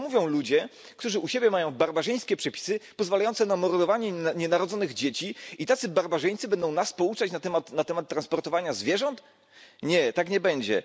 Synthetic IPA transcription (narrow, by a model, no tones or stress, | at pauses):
muvʲjɔ̃w̃lud͡ʑɛ | kt̪uʐɘʔuɕebʲjɛmajɔ̃w̃baɾbaʐɛj̃skʲɛpʂɛpʲi̥sɘpɔzvalajɔnsɛnamɔɾd̪ɔvaɲɛɲɛnaɾɔd̪zɔnɘɣd͡ʑet͡ɕiit̪at̪sɘbaɾbaʐɛj̃t̪sɘbɛnd̪ɔ̃w̃naspɔut͡ʂat͡ɕnat̪ɛmat̪nat̪ɛmat̪ːɾanspɔɾt̪ɔvaɲazvʲjɛʐɔnt̪ | ɲɛt̪akɲɛbɛɲd͡ʑɛ̰